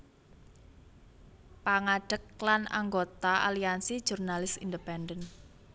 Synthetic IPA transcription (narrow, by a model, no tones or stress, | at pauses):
paŋaɖ̥ək̚lana̰ŋɡot̪aʔa̰liansi̥ʒ̥urnalɪsindəpɛndən